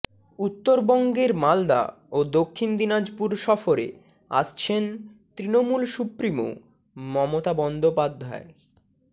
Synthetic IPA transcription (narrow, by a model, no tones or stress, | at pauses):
ut̪ːoɾbɔŋɡeɾmald̪a̰ | od̪okʰːind̪inad͡ʑpuɾʃɔfoɾḛ | a̰tt͡ɕʰent̪ɾinomulʃupɾimo̰ | mɔmot̪abɔnd̪opad̪ʱːae